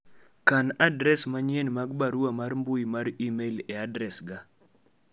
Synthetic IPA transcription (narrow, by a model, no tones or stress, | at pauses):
kanadɾɛsmaɲɛnmaɡ̚baɾuamaɾmbʊjmaɾimelɛadɾɛsɡa